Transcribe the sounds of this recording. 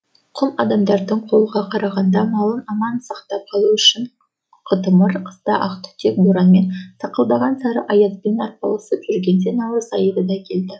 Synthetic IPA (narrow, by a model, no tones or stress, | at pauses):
qʰʊlˠɑ̰d̪ɑmd̪ɑɾd̪əɴqʰo̞lˠəʁɑqʰɑɾɑʁɑnd̪ɑmɑlˠənɑmɑnsɑqt̪ɑp̚qʰɑlˠuʏʃɪɴ | qʰət̪əməɾqʰə̥zt̪ɑʔɑqt̪ʏ̥t̪ʰekb̪uɾɑnme̞nsɑqəlˠd̪ɑʁɑnsɑɾəʔɑjɑzbenɑt̪̚pɑ̰lˠəsəpʒ̥ʏɾɡʲe̞nd̪enɑlˠəsɑjəd̪əd̪ɑkʲʰe̞ld̪ɪ